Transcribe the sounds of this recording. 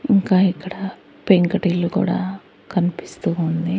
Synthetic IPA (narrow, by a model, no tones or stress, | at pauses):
iŋkaːikːɐɽɐ | peŋkɐʈilokṵːɽa̰ː | kɐnipi̥st̪uːund̪i